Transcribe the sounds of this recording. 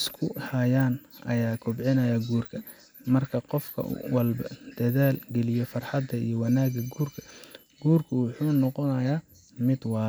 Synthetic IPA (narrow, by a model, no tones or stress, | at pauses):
skʰʊhɐjaːnʔɐ̰jaːkʰʊbʕɪnɐjaːɡuːrkʰɐ | mɐrkʰɐqɔfkʰɐ̰wɐlbɐd̪̥ɐðaːlɡɛlɪjɔfɐrħɑd̪ːɐḭjɔwɑnaːɡɐɡuːrkʰɐ̥ | ɡ̥uːrkʰʊwʊħuːnɔqɔnɐjaː | mɪd̪wɑː